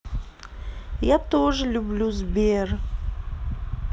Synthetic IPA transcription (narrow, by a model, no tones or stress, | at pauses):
jat̪oʐɨlʲublʲuzbʲer